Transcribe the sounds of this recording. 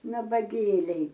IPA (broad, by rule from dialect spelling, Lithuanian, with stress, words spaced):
nɐbɐˈɡʲeːlʲɛɪ